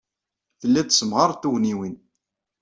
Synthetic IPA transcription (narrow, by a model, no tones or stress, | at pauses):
θəlːæt̪ːsəmʁəɾˤθuwniwin